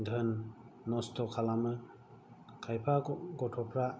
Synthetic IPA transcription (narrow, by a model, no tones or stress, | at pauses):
dʱənːɔstʰɔkʰalamɯ | kʰajpʰaɡɔtʰɔpʰɾa